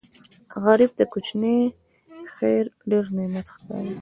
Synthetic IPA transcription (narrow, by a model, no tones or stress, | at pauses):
ɣaɾib̚d̪akut͡ʃni | xeɾɖeɾnɪmat̪xka̰ɾi